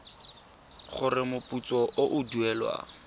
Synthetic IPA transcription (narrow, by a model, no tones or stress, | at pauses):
χʊrɪmʊput͡sɔʔoʔʊduɛlwa̰